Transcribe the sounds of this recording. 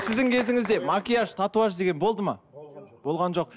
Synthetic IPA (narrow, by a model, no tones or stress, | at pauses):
sɪzd̪ɪŋkʲʰe̞zɪŋɪzd̪e̞mɑkʲijɑʃt̪ʰɑt̪uɑʃd̪e̞ɡʲe̞nbo̞lˠd̪əmɑb̥o̞lˠʁɑnʒo̞q̚